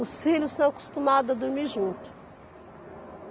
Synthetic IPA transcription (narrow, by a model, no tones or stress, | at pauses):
ʊsfiʎʊsɐ̃w̃ɐku̥st̪umad̪ʊɐd̪uɾmiɾʒũnt̪ʊ̥